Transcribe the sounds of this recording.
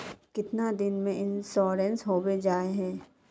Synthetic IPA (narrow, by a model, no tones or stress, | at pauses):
kɪt̪nad̪ɪnmẽɪnsɔːɾɛ̃nsɦoːbed͡ʒaːeɦɛ̃ː